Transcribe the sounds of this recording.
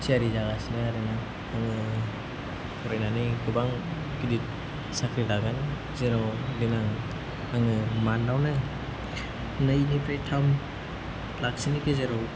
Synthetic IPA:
siaɾizaɡasinɯaɾinaŋ | aŋɯ | pʰɔɾajnanikɯbaŋ | kidit̚ | sakʰɾidaɡan | zeɾadinaŋ | aŋɯmandawnɯ | nɯjnipʰɾajtʰam | lak̚sinipʰezeɾɔw

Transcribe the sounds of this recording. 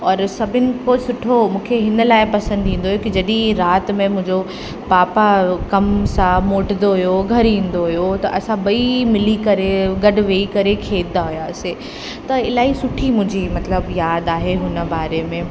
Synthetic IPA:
ɔːɾsɐbʱɪnɪ̆kosʊʈʰomũːkʰeɦɪnə̆laːɪpɐsə̃nd̪ĩːn̆d̪oɦjokid͡ʑɐɗĩɾaːt̪mẽmʊ̃ɦɪ̃ɲd͡ʑo | paːpakɐmsãmoːʈnd̪oɦʊjoɡʱɐɾĩːn̆d̪oɦʊjot̪ɐʔɐsãbɐimɪlikɐɾeɡɐɖʊʋeːikɐɾekʰeːd̪aɦʊjaːse | t̪ɐɪlaːisʊʈʰimʊ̃ɦɪ̃ɲd͡ʑimɐt̪ləbjaːd̪aːɦeɦʊnə̆baːɾemẽ

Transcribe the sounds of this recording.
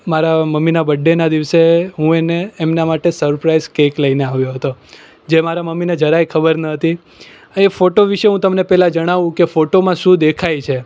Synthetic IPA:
maɾaməmːinabəɖːenad̪iʋseɦũeneːmnamaʈesəɾpɾaizkekləineaʋjoɦət̪o | d͡ʒemaɾaməmːined͡ʒəɾajkʰəbəɾnət̪i | efoʈoʋiʃeɦũt̪əmnepɛɦlãd͡ʒəɽ̃aʋũkefoʈomãʃũd̪ekʰajt͡ʃʰe

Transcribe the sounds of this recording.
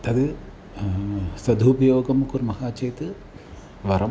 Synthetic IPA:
t̪ɐd̪ɨ | sɐd̪ʱupɐjoːɡɐmkuɾmɐhaːt͡ʃɐjt̪ɨ | ʋɐɾɐ

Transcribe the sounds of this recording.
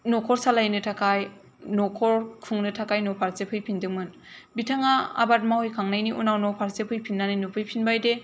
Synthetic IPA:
nɔkʰɔɾsalajnɯtʰakaj | nɔkʰɔɾkʰɯŋnɯtʰakajnɔpʰaɾsepʰɯjpʰindɯŋmɯn | bitʰaŋaa̰bat̚mahujkʰaŋnajniʔunawnɔpʰaɾsepʰɯjpʰinːaninupʰɯjpʰinbajde

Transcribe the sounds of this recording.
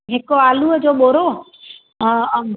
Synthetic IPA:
ɦɪkoaːluəd͡ʑoːɓoːɾo

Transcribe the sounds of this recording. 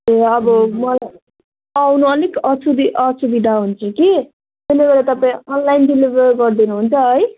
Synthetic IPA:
eʌbʌmʌlaj | awnuʌnikʌt͡sʰud̪iʔʌt͡sʰubiɖaɦunt͡sʰʌki | t̪eleɡʌɾat̪ʌpaĩʌnlajnɖilibʌrɡʌrd̪inuɦunt͡sʰʌɦʌj

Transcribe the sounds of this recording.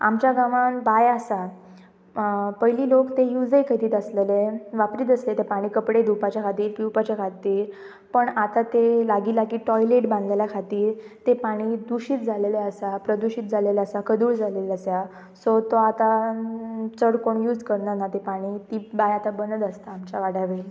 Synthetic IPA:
a̰mt͡ɕjaɡaʋanbajəsa | pəɦjliːlokt̪ejud͡zəjkʰəjt̪iːt̪əsleleʋapɾiːt̪əset̪epaɽ̃iːkəpɽed̪upat͡ɕjakʰat̪iːɾpiwpat͡ɕakʰat̪iːɾ | pəɳat̪at̪elaɡilakiːʈɔjleʈbãnd̪leljakʰat̪iːɾt̪epaɽ̃iːd̪uɕiːt̪̚d͡zʱaleleəsapɾəd̪uɕiːt̪̚d͡zaleleasakʰəd̪uːɭd͡zʱaleləsja | sot̪oat̪a | t͡səɽkoɳjuːd͡zkəɾnanat̪epaɽ̃it̪iːbajat̪abənəd̪əst̪aːmt͡ɕaʋaɽaʋeil

